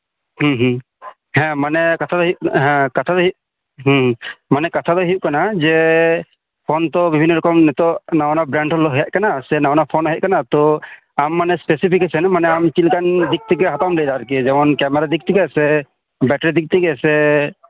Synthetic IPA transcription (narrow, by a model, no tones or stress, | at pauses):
hũɦ | hɛ̃manɛkat̪ʰad̪ɔjɦɛ̃kat̪ʰad̪ɔɦjuʔ | ɦɦmanɛkat̪ʰad̪ɔɦijuʔ̚kanad͡ʒɛ | pʰɔnt̪ɔbibʱinːɔɾɔkɔmnɛt̪ɔʔnawnabɾɛɳɖɔlːɔɦɛjaʔ̚kanasɛnawnapʰɔnɦɛʔ̚kanat̪ɔ | amːanɛspesipʰikɛsɛnmanɛamt͡ʃilkand̪ik̚t̪ikɛɦat̪amlɛjd̪aɾkid͡ʒɛmɔnkɛmɛɾad̪ik̚t̪ʰikɛsɛ | bɛʈɾid̪ik̚t̪ikɛsɛ